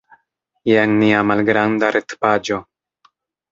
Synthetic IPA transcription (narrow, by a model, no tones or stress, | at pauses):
jeŋniamalɡɾandaɾʔet̪pad͡ʒo̞